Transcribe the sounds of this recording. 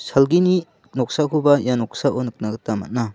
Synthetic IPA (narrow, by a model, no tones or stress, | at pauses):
salɡini | nɔk̚sakʰubajanɔksaʔonɯk̚naɡɯtama̰t̚na